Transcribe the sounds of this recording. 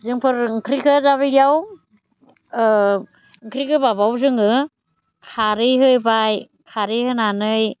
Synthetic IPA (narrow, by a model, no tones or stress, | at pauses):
zɯŋpʰɯɾŋkʰɾikʰɯzaβɯɡjaw | ŋkʰɾikʰɯbaβawzɯŋɯ | kʰaɾɯjɦɯjbaj | kʰaɾɯjhɯnanɯj